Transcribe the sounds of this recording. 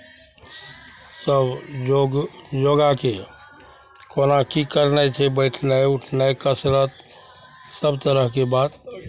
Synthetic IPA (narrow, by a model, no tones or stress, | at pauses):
səb | d͡ʒoɡake | koːnakikəɾnət͡ʃʰɛbəɪʈʰnaeʊʈʰnajkəsɾət̪̚ | səbt̪əɾəɦkebaːd̪